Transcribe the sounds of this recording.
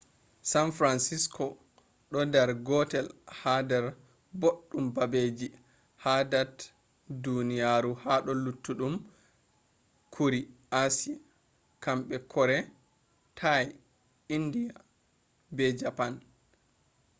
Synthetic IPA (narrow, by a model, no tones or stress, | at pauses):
sanfɾansiskʰɔ | ɗɔdɛɾɡɔtɛlhadɛɾ | boɗːumbabed͡ʒi | hadat | dunijaɾuhaɗɔlutːuɗum | kʰuɾiʔasia | kamɓɛkʰɔɾɛ | tʰaj | indija | bɛd͡ʒapan